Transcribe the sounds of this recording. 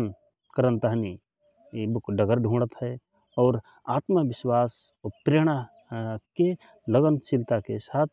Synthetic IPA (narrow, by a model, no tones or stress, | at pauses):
n | kəɾə̃nt̪aɦni | bʊkɖəɡəɾɖʱũːɽət̪ɦɛ | ɔːɾ | aːt̪məʋɪʃwaːs | pɾeːɽ̃a | ke | ləɡənt͡ʃɪlt̪akesaːt̪ʰ